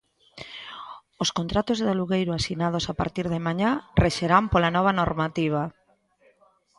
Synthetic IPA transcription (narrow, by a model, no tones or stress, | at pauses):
oskont̪ɾat̪ozðaluɣejɾoasinað̞osapa̰ɾt̪iɾðɪmaɲareʃeɾampolanɔβ̞anoɾmat̪iβ̞a